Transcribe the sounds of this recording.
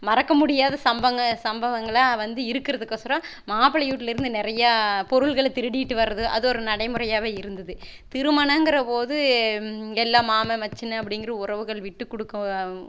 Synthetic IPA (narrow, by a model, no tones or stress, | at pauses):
mɐɾɐkːɐmʊɽɪjaːðɐsɐmbɐŋɡɐsɐmbɐʋɐŋɡɐɭaːʋɐnd̪ɯɪɾɯkːɪɾɐðɯkːɐsɾɐ̃maːpɐɭɐjuːʈːɪlɪɾɯnd̪ɯnɪɾɐjaːpɔɾɯɭɣɐɭt̪ɪɾɯɽɪjɪʈːɯʋɐrːɐðɯʔɐ̰ðɯɔɾɯnɐɽɐɪmɯɾɐjaːʋeːɪɾɯnd̪ɐðɯ | t̪ɪɾɯmaːnɐŋɡɪɾɐpoːðɯ | ɛlːaːmaːmɐmɐt͡ʃːɪnɐɐp̬ːɐɽɪŋɡɪɾɐʊrɐʋɯɣɐɭʋɪʈːɯkːɔɽɯkːɐ